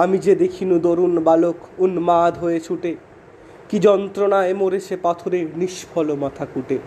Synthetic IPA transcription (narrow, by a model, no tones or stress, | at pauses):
amid͡ʑed̪ekʰinud̪oɾunbalokunmad̪ʱɦojet͡ɕʰuʈe | kid͡ʑɔnt̪ɾonaemoɾet͡ɕʰepat̪ʰoɾeniʃpʰɔlomat̪ʰakuʈe